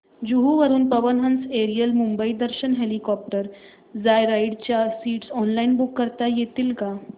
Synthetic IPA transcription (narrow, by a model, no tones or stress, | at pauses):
d͡ʑuɦuʋəɾuːnpəʋənɦə̃nseɾijəlmumbəid̪əɾɕənɦelikɔp̚ʈəɾ | d͡zajɾaiɽt͡ɕjasiːʈsɔnlainbukːəɾt̪ajet̪iːlka